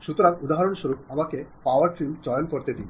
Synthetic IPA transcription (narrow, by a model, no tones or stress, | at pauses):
ʃut̪oɾaŋud̪aɦaɾonʃoɾup̚amakepawaɾfimd͡ʑɔjonkoɾt̪ed̪ḭn